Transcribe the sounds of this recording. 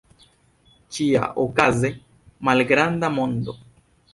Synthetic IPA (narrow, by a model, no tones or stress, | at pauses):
t͡ʃia̰ʔokaze̞ | malɡɾandamo̞nd̪o̞̰